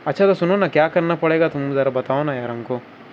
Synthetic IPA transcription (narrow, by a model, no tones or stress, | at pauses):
ɐt͡ʃʰɐd̪ɐsununɐkjaːkɐɾnɐpɔɽeɡat̪umbud̪ɐɾɐbɐt̪aːʋɐnajɐɾɐŋku